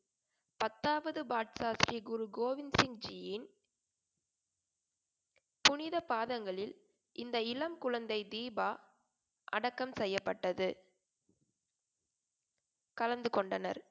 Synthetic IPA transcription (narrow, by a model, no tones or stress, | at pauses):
pɐt̪ːaːʋɐðɯbaːʈ̚saːsɾiɡʊɾuɡoːʋɪnsɪŋd͡ʒijɪn | pʊnɪðɐpaːðɐŋɡɐɭɪl | ʔɪnd̪ɐɪlɐmkʊɻɐnd̪ɐɪd̪iːbaː | ʔɐɽɐkːɐmsɛjːɐpːɐʈːɐðɯ | kɐlɐnd̪ɯkɔɳɖɐnɐ̰ɾ